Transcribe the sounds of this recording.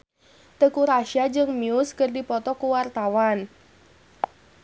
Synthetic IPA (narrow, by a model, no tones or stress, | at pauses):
t̪əkuɾaʃiad͡ʒɨŋmiʊskɨrdipɔt̪ɔkuwart̪awan